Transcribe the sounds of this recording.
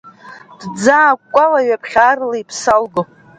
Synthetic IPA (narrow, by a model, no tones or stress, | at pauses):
d̥d͡zaːkːʷʼalaɥapʰχʲaːrlaipʰsalɡo